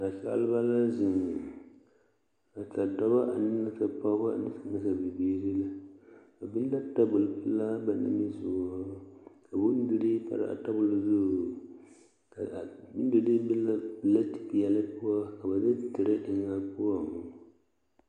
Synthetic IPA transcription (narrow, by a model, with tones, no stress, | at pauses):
a˨ʃa̰˦a̰˦lɨ˦ba˦la˦zɪ˨ŋ | a˨ta˨dɔ˦ba˦ʔa˨nɨ˦ŋa˦sa˨pa˦ba̰˦˨nɨ˦sa˨na˦sa˨bi˨biː˦ɾi˦la˦ | a˨bɪ˦n˦da˦ta˦bʊ˨lpɨ˦la˦ba˨na̰˦mi˦zu˨a˦ka˨bʊ˦n˦du˦ɾi˦pa̰˦ɾa̰˨a̰˨ta˦bʊ˨lzʊ˦˨ | ka˨bn˦du˦di˦bɪ˦a˦˨la˦ti̥˨pi˨jɛ˨lɨ˦pʊ˦a˦ka˨ba˨dɨ˦tɨ˨ɾɨ˦ʔɪ˨ŋa˦pu˦ɔ˨˦˨